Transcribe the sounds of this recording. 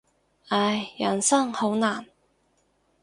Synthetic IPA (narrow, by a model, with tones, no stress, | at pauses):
a˧jːɐ˨˩nsɐ˥ŋho˨˥wnaː˨˩n